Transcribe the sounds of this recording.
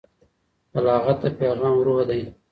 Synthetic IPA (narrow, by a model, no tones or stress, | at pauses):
alɑːɣat̪apeːɣɑːmɾohd̪aj